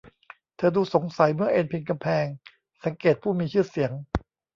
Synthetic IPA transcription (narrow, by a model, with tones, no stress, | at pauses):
t̪ʰɤː˧duː˧so˩˦ŋsa˩˦jmɯ˥˩ɐʔe˧npʰi˧nka˧mpʰɛː˧ŋ | sa˨˩˦ŋkeː˨˩t̪̚pʰuː˥˩miː˧t͡ɕʰɯː˥˩si˩˦əŋ